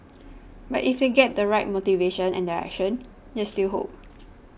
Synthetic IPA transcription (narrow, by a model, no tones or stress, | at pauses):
batifdeɡɛt̚dəɹaɪt̚motiveʃə̃nɛ̰̃ndaɛ̰k̚ʃə̃n | destilɦo̰p̚